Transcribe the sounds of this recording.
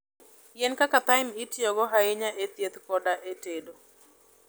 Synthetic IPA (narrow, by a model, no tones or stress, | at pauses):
jenkakat̪aɪmitjɔɡɔɦaɪɲaʔet̪jet̪kɔdaʔetedo